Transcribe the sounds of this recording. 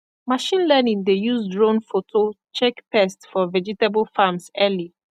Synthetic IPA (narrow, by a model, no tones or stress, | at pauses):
maʃĩnlɛnĩŋdejuzdɹõnfotʰot͡ʃɛkpɛstfɔvɛd͡ʒitabəlfamsɛli